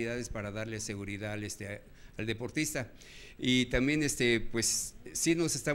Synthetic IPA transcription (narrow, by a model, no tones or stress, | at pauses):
iðaðe̞spaɾaðaɾle̞se̞ɣuɾiðalest̪e | ald̪e̞po̞ɾt̪ist̪a | it̪ambje̞nest̪epwe̞sːino̞se̞st̪a